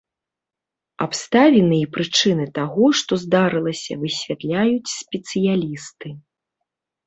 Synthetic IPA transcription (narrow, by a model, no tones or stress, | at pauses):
apst̪avʲɛnɨjipɾɨt͡ʂɨnɨt̪aɣɔʂt̪ɔzd̪aɾɨlˠɐsʲɐ̰vɨsʲvʲat̪lʲajut͡sʲsʲpʲɛt̪sɨjalʲist̪ɨ